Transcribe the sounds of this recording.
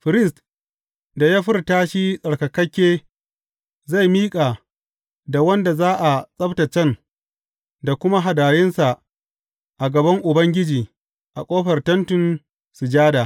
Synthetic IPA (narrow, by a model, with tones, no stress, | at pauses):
ɸɪ˨ɾɪ˦st | da˨ja˦ɸɪ˦rtaː˦ʃiː˦sʼɐ˨ɽkɐ˨kɐ˦kʲːeː˦ | za˦˨jmiː˦kʼaː˨ | da˨wɐ˦nda˨zaː˦ʔa˨sʼɐ˦bta˨t͡ʃɐ˦˨n | da˨kʷʊ˦ma˦ɦa˨daː˨jɪ˦nsa˨ʔ | ʔa˨ɡɐ˨bɐ˦ŋʔʊ˨bɐ˦ŋɡʲɪ˦d͡ʒiː˨ | ʔa˨kʷʼoː˦ɸɐ˨rtɐ˦ntʊ˨n | sʊ˨d͡ʒaː˦daː˨